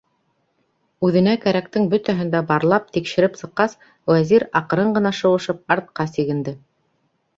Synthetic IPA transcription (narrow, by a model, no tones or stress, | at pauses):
ʉðɘ̆nækæɾæk̚t̪ɘŋbɵt̪æɦɘ̆nd̪æbɑɾlˠɑp̚t̪ikʃɘ̆ɾɘpsɤ̆qːɑs | wæziɾɑqɤ̆ɾɤɴɢɤ̆nɑʃɤ̆wɤ̆ʃɤp̚ɑɾt̪̚qɑsiɡɘ̆nd̪ɘ